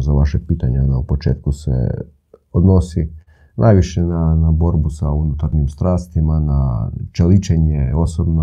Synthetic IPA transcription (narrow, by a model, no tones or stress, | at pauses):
zaʋaʃepiːt̪aɲanaupot͡ʃe̞ːt̪̚kusḛ | od̪no̞si | nʔa̰jʋiʃenanabo̞ɾbusaunut̪aɾɲimst̪ɾaːst̪imanat͡ʃelit͡ʃeɲeo̞sobno